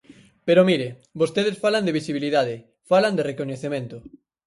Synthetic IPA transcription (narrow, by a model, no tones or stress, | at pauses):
peɾomiɾebost̪eð̞esfaland̪eβisiβ̞iliðað̞ɪ | faland̪erekoɲeθemẽnt̪ʊ